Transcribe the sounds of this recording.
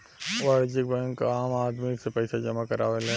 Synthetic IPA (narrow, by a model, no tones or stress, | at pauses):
waɾd͡ʒɪk̚bɛ̃ŋkaaːmaːd̪misepəɪsad͡ʒɐmakəɾaːʋelẽ